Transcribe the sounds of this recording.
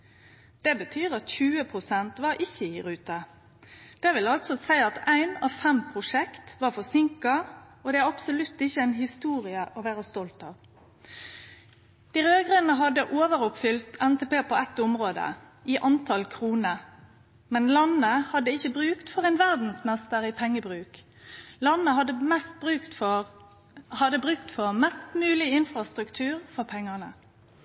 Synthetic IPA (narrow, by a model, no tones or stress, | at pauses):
d̪̥ɛbət̪ʰyːʁɑt̪çʉːəpʰʁʊsɛnt̪ʋɑɾʔɪçːəɪɾʉːt̪ɑ | d̪̥ɛʋɪlɑlt̪sɔsæɪɑt̪æɪnɑ̰ʋfɛmpʰʁʊʂɛkt̪ʋɑːfɔsɪŋkɑoːd̪ɛæɾɑpsʊlʉt̪ːɪçːəæɪnhɪst̪uːʁɪəʔoʋæːʁəst̪ɔlt̪ɑʋ | d̪̥iːɾøːɡʁənəɦɑd̪əʔoːʋəɾʊpfʏlt̪ʰɛnt̪ɛpeːpʰoɛt̪ʊmʁoːd̪ə̰ | ɪʔɑnt̪ʰɑlkʰʁuːnə | mɛnlɑnːəhɑd̪əɪçːəbʁʉːkt̪fɔʁɛɪnʋæʁd̪n̩smɛst̪əɾipʰɛŋːəbʁʉːk | lɑnːəɦɑd̪ːəmɛst̪̚bʁʉːkt̪fɔ | hɑd̪əbʁʉkt̪fɔʁmɛst̪mʉːlɪɪnfʁɑst̪ɾʁʉkt̪ʰʉːʁfɔʁpʰɛŋːənə